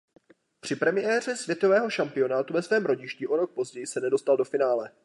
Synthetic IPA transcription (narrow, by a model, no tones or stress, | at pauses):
pr̝̥ɪpɾɛmɪjɛːr̝ɛsv̥ʲjɛt̪o̞vɛːɦo̞ʃampɪo̞naːt̪uvɛsvɛːmɾo̞ɟɪʃciʔo̞ɾo̞k̚po̞zɟɛjɪsɛnɛdo̞st̪aldo̞fɪnaːlɛ